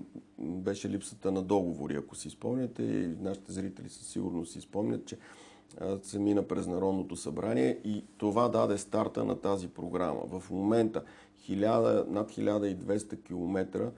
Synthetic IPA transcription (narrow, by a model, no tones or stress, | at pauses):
bɛʃɛlipsə̥t̪ənɐd̪ɔɡovo̰ɾḭɐkosispɔmnʲɛt̪ɛ̰naʃi̥t̪ɛzɾit̪ɛlḭsə̥sḭɡʊɾnossispɔmnʲə̰t̪t͡ʃɛ | sɛminəpɾɛznɐɾɔd̪not̪osɐbɾaniɛʔit̪ovad̪ad̪ɛst̪aɾt̪ə̰nʔɐ̰t̪azipɾoɡɾa̰mə̰vəfmomɛnt̪ə | xilʲad̪ənat̪xʲilʲʔad̪əid̪vɛst̪əkʲilˠomɛt̪ɾə